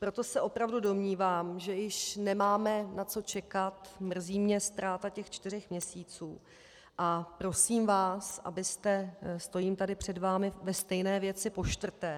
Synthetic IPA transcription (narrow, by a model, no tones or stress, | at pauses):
pɾo̞t̪o̞sɛʔo̞pɾavdudo̞mɲiːvaːmʒɛjɪʃnɛmaːmɛnat͡so̞t͡ʃɛkat̪mr̩ziːmɲɛst̪ɾaːt̪acɛxt͡ʃt̪ɪr̝ɛxmɲɛsiːt͡suː | ʔapɾo̞siːmvaːsʔa̰bɪst̪ɛst̪o̞jiːmt̪adɪpr̝̥ɛdvaːmɪvɛst̪ɛjnɛːvjɛt͡sɪpo̞ʃt̪vr̩t̪ɛː